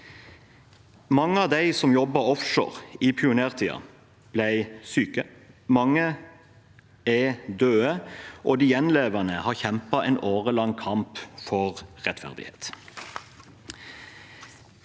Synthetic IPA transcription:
mɑŋəɑːʋd̪æɪsɔmjɔbɑɔfʃo̰ːʁiːpʰɪʊneːʁt̪ʰiːɑ̰ | b̥læɪsyːkə | mɑŋə | ɛd̪øːəʔoːd̪iːjɛnleːʋənəhɑːʁçɛmpɑʔɛːnʔoːʁəlɑŋkʰɑmpfɔʁʁɛt̪fæ̰ʁd̪ɪ̰hḛːt̪

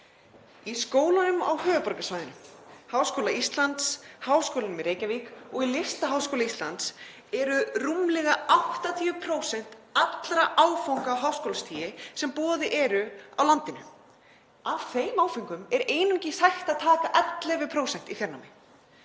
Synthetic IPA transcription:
iskoːwlanʏma̰whœːvʏpɔɾkasvaːjðɪnʏmhaːwskowlaist̪lant̪shaːwskowlanmɪɾeːjcavikɔɣilɪst̪aɦawskowlaist̪lant̪s | ɛɾʏrumlɛɣaʔawht̪at̪ʰiːʏpʰɾoːwsɛn̥t̪at̪lɾaʔaːwfawŋkaɦawskowlast̪ʰiːjɪsɛmpɔːðɪʔɛɾʏawlant̪ɪnʏ | av̥θejmaːwfiŋkʏmɛɾeːjnʏmcɪsajxt̪aðt̪ʰaːkaʔɛt̪lɛvɪpʰɾoːwsɛn̥t̪ifjɛɾnawmɪ

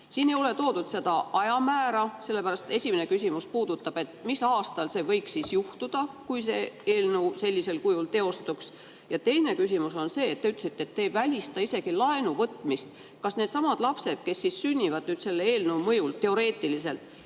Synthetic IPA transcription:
siːne̞jo̞le̞t̪o̞ːd̪ud̪̥se̞d̪̥ɑʔɑjɑmæːɾɑse̞lːe̞pæɾɑst̪e̞sʲimene̞kysʲimuspuːd̪ut̪ːˑɑb̥e̞t̪ːˑmisɑːst̪ɑlse̞vɤjksisjuht̪ud̪̥ɑkujse̞eːlnuse̞lʲːise̞lkujult̪e̞o̞st̪uks | jɑt̪e̞jne̞kys̬ʲimuso̞nse̞ːt̪ːe̞yt̪ːˑlesi̥t̪ːeːt̪ːeːvælʲist̪ɑise̞ɡ̥ilɑenuvɤt̪ːˑmist̪ | kɑsne̞ːd̪̥sɑmɑd̪̥lɑpse̞d̪̥̚ke̞sːissynʲːivɑd̪nyːd̪se̞lːeeːlnuwmɤjult̪e̞o̞ɾe̞ːt̪ˑilise̞lt̪ˑ

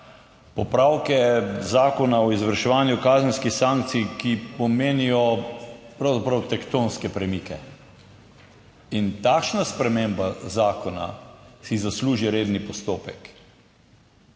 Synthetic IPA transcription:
pɔpɾawkɛzaːkɔnaɔizʋəɾʃɛʋaːnjukaːzənskixsaːŋk̚t̪sijkipɔmeːnijɔpɾawzapɾɐwt̪ɛkt̪onskɛpɾɛmikɛ | int̪akʃnaspɾɛmembazaːkɔna̰sizasluːʒiɾeːd̪nipɔst̪oːpɛk

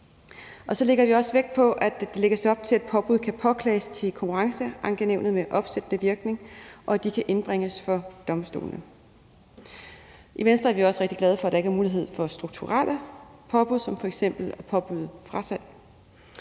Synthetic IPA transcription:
ʔɒ̽sɒ̽le̝ɡ̥ɐʋiɒ̽sʋeɡ̥̚pʰɒ̽ʔæd̥d̥e̝le̝ɡ̥ɐsɒ̽b̥̚t͡sʰe̝læd̥pʰɒ̽b̥uð̞̰ˠkʰæpʰɒ̽kʰlɛ̰ːɪst͡sʰe̝lkʰɒ̽ŋkʰuʁɑ̈ŋsəʔɑ̈ŋɡ̥eneʊnð̞̩ˠmeʔɒ̽b̥sed̥ənəʋiɐɡ̥ne̝ŋʔɒ̽æd̥ikʰæʔe̝nb̥ʁeŋ̰əsfɒ̽d̥ɒ̽msd̥o̝̰ːlnə | ʔiʋensd̥ʁɐæɐʋiɒ̽səʁeɡ̥̚d̥iɡ̥lɛð̞ˠfɒ̽æd̥ɑ̈eɡæɐmuːliɦe̝ð̞̰ˠfɒ̽sd̥ʁuɡ̥t͡sʰuʁal̰əpʰɒ̽b̥uðˠsɒ̽mfɒ̽eɡ̥sem̰b̥l̩æpʰɒ̽b̥uðˠfʁɑ̈sæl̰

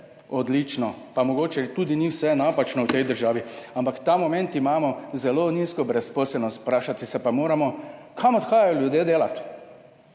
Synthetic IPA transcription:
ɔd̪lit͡ʃnɔpamɔɡoːt͡ʃɛt̪uːd̪iniwsɛnapat͡ʃnɔwt̪ɛjd̪əɾʒaːʋiampakt̪aːmɔmɛ̃nt̪imaːmɔzɛloːniːskɔbɾɛspɔːsɛlnɔst̪̚pɾaːʃat̪isɛpamoːɾamɔ | kʰamɔt̪xaːjajɔljud̪jeːd̪eːlat̪

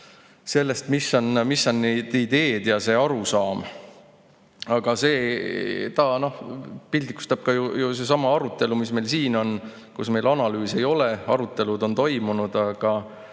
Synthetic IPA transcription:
se̞lːe̞st̪misːo̞nmisːonːed̪̥id̪̥e̞ːd̪̥jɑse̞ːɑɾusɑːm | ɑɡ̥ɑse̞ː | t̪ɑːno̞hpild̪ikːu̥st̪ɑb̥̚kɑjujuse̞sɑmɑɑɾut̪ːˑe̞lumisme̞jlsiːno̞n | kusme̞jlɑnɑlyːse̞jo̞leɑɾut̪ːˑe̞lud̪o̞nt̪o̞jmunud̪̥ɑɡ̥ɑ

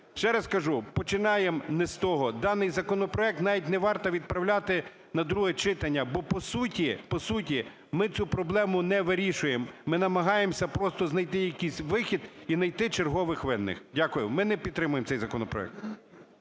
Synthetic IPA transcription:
ʃt͡ʃɛɾɐskɐʒupɔt͡ʃɪnɑjemnɛst̪ɔɦɔd̪ɑnɪjzɐkɔnɔpɾɔɛk̚t̪nɑʋʲitʲnɛʋɑrt̪ɐʋʲid̪̚pɾɐwlʲat̪ɪ | nɐd̪ɾuɦɛt͡ʃɪt̪ɐnʲːɐbɔpɔsutʲipɔsutʲi | mɪt͡sʲupɾɔblˠɛmʊnɛʋɪɾʲiʃʊjemːɪnɐmɐɦɑjemsʲɐpɾɔst̪ɔznɐjt̪ɪjɐkʲijsʲʋɪxʲid̪inɐjt̪ɪt͡ʃerɦɔʋɪxʋɪnːɪ̰xdʲakʊjʊmɪnɛpʲid̪̚t̪ːɾɪmʊjemt̪ɛjzɐkɔnɔpɾɔ̰ɛ̰k̚t̪

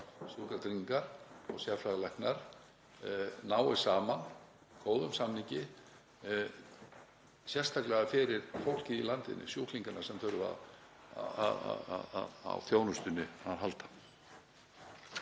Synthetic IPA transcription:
sjukaɾt̪ɾiŋkaɾ̥ɔ̰ɣsjafɾaðlɛjhknaɾ̥ | naːwɪ̥saːman | kʰoːwðʏmsamniɲcɪ | sjɛrst̪ʰaklɛɣafɪɾɪɾ̥fowl̥cɪilant̪ɪ̰nːɪ̰sjuːhkliŋkanḁsɛmθœɥɾʏva̰ð | a̰aða̰wθjoːwnʏst̪ʏnːɪaðɦalt̪ḁ

